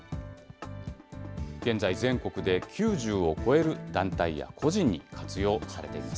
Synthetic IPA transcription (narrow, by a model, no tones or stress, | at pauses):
ɡ̥ẽ̞nd͡zaizẽ̞ŋko̞kɯ̟d̪e̞kʲʰɨːʑɨːo̞kʰo̞e̞ɾɯ̟d̪̥ãnt̪aija̰kʰo̞ʑĩɲ̟ːikʰat͡sɨjo̞ːsaɾe̞t̪e̞ḭmas